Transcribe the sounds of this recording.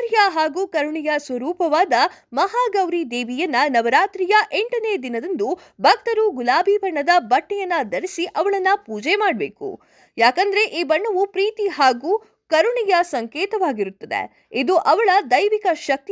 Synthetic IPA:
ɾjɐɦaːɡuːkɐɾuɳijɐsʋɐɾuːpɐʋaːd̪ɐmɐɦaːɡɐʋɾid̪eːʋijɐnːɐnɐʋɐɾaːt̪ɾijɐʔeɳʈɐneːd̪inɐd̪ɐnd̪u | bʱɐk̚t̪ɐɾuɡulaːbʱibʱɐɳːɐd̪ɐbɐʈːɛjɐnːɐd̪ɐɾisiʔɐʋɐɭɐnːɐpuːd͡ʒɛmaːɽbḛːkṵ | jaːkɐnd̪ɐɾe̞ʔiːbɐɳːɐʋupɾiːt̪iɦaːɡuː | kɐɾuɳijɐsɐŋkɛːt̪ɐʋaːɡiɾut̪ːɐd̪ḛ | id̪uʔɐʋɐɭɐd̪ɐjʋikɐʃɐk̚t̪

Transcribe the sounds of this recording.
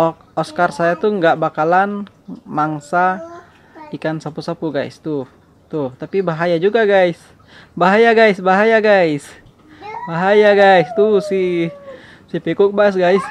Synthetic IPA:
ɔk̚ | ɔskarsajat̪uŋɡaʔbakalan | maŋsa | ikansapusapuɡa̰jst̪u | t̪ʊht̪apibaɦajad͡ʒuɡaɡajs | baɦajaɡajsbaɦajaɡajs | baɦajaɡajst̪usi | sipikʊk̚bas̬ɡajs

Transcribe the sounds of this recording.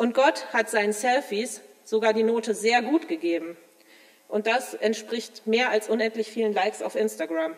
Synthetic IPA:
ʔʊnt̚ɡ̥ɔthatz̥aɪnənsɛlfis | z̥oɡaːɐdiːnoːtəzeːɐɡuːtɡ̥əɡeːbm̩ | ʔʊnt̚d̥asʔɛntʃpʁ̥ɪçtmeːɐalsʔʊnɛntlɪçfiːlənlaɪksa̰ʊfʔɪnstaɡʁam

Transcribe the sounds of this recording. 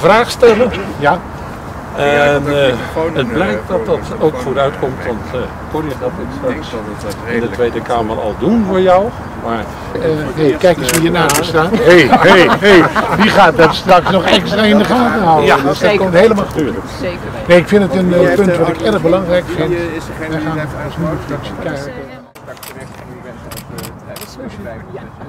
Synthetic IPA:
vraːxstɛlənja | ɛn | ət̚blɛjk̚t̚dɑt̚dɑtowkfoɾœɥtkɔmtʋɔnt | korjəχatɪtsa | ɪndətʋeːdəkamʋəlˠɔ̰lˠdunvoːɹjɔw | mar | ɦejkɛjkjəsʋijənaːmstaːtɦejɦɦejdiχaːtdɔtstrɑksnɔχɛkstraɪndəχaːtəhawəɔsdɔkomthejləmalˠxədyːlək | neːɪkfɪndətənpɵntʋɑtɪkɛrəχbəlɑŋrɛjkfɪntʋɛjxaːnvɔlˠsmyəfraksəkɛjkə

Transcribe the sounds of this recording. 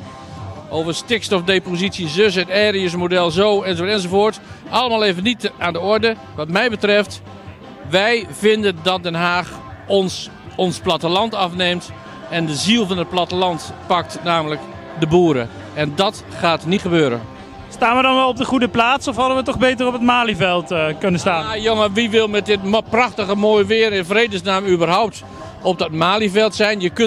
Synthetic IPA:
oːvərstɪkstɔfdepozitsjəzøs̬ənɛːriəsmodɛlˠzoːɛnsoɛnzovoːɹt | ɑlˠəmaːlˠeːvənitaːndəɔɹdə | ʋɑtmɛjbətrɛft | ʋɛjvɪndəndɑt̚dɛnɦaːx | ɔnsplatəlɑntɑfnemt | ɛndəzilˠvɑnət̚plɑtəlɑntpɑk̚tnaːmələk | dəbuːɾə̰ | ɛndɔt | χaːtnitχəbøːɾə̰ | staːnʋədɑnʋɛlˠɔp̚dəχudəplaːtsɔfhɑdəʋətɔχbeːtərɔpətmaːlivɛlˠtkɵnəstaːjoŋəʋiʋɪlˠmɛt̚dɪtprɑxtəɣəmoːjʋɪəɾɪnfrejdəsnaːmybərɦawp̚t | ɔp̚dɔtmaːlivɛlˠtsɛjnjək

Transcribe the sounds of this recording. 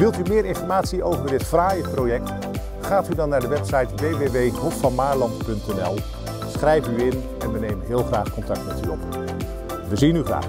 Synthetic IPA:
ʋɪlˠtymɪːɾɪnfɔɹmaːtsiowvəɹdɪtfraːjəprowjɛk̚t | χaːtydɑnːaːɹdəʋɛpsɑjtʋejʋeʋejɦɔfɑnmaːɹlɑntpɵntɛnɛlˠ | sχrɛjvyɪn | ɛnʋənejmənɦɪːlˠχraːχkɔntɑk̚tmɛty̰ɔp | ʋəzinyχra̰ː

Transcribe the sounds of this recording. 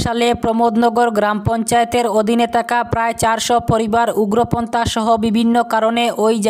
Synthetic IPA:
ʃalepɾomod̪nɔɡoɾɡɾampɔnt͡ɕaet̪eɾod̪ʱinet̪ʰakapɾaet͡ɕaɾʃɔpoɾibaɾuɡɾopont̪aʃɔɦobibʱinːokaɾoneʔojd͡ʑ

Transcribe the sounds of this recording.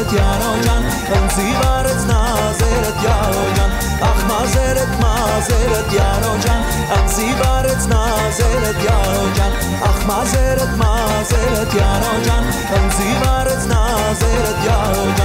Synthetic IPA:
t̪jaːɾod͡ʒan | ənzivaːɾət͡snazeɾət̪jaɾod͡ʒan | aχmazeːɾət̪ma | zeɾət̪jaːɾod͡ʒan | ɐnzivaːɾət͡sna | zeɾət̪jaɾod͡ʒan | aχmazeɾət̪ma | zeɾət̪jaːɾod͡ʒan | ənzivaɾət͡sna | zeɾət̪jaɾod͡ʒa

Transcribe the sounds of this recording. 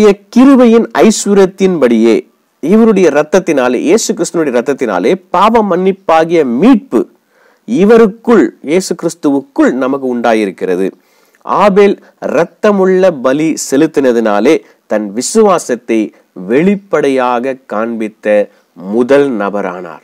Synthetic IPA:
jɐkɪɾɯʋɐjɪnɐ̰ɪsʋʊɾɐt̪ːɪnpɐɽɪjeː | ɪʋɐɾɯɽɐjɐɾɐt̪ːɐt̪ːɪnaːlḛːjeːsɯkːɪɾɪst̪ːɯnɯɽɐjɐɾɐt̪ːɐt̪ːɪna̰ːleːpaːʋɐmɐnːɪpːaːɣɪjɐmiːʈ̚pɯ | ɪʋɐɾɯkːɯɭjeːsɯkɪɾɪst̪ɯʋɯkːɯɭnɐmɐkːɯʊɳɖaːjɪɾɯkːɪrɐðɯ̰ | ʔa̰ːbeːl | ɾɐt̪ːɐmɯɭːɐbɐlisɛlɯt̪ːɪnɐðɪnaːleː | t̪ɐnʋɪsɯʋaːsɐt̪ːɐɪ | ʋɛɭɪpːɐɽɐjaːɣɐkːaːɳbɪt̪ːɐ | mʊðɐlnɐbɐɾa̰ːna̰ːɾ

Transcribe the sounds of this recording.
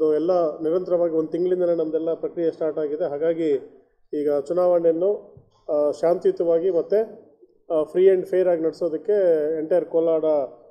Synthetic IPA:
ɐd̪uɛlːɐniɾɐnt̪ɐɾɐʋaːɡiond̪ut̪iŋɡɐɭind̪ɐnenɐmɐd̪ɛlːɐpɾɐkɾijɐsʈaːɾʈaːɡid̪e̞ɦaːɡaːɡi | iːɡɐt͡ʃunaːʋɐɳjɐnːu | ʃaːnt̪jut̪ɐʋaːɡimɐt̪ːe | pʰɾiːɐɳɖpʰejɐɾaːɡinɐɽso̞ːd̪ɐkːe̞eɳʈɐjɐɾkoːlaːɽɐ

